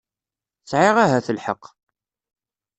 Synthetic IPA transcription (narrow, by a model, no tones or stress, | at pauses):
t͡sʕɪʁaɦæθəlħə̰qː